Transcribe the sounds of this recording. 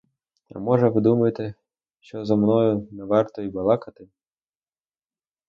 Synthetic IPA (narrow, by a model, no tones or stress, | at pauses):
ɐ̰mɔʒɛʋɪd̪umɐjɪt̪ɪ | ʃt͡ʃɔzɔmnɔjʊnɛʋɑrt̪ɔibɐlˠɑkɐt̪ɪ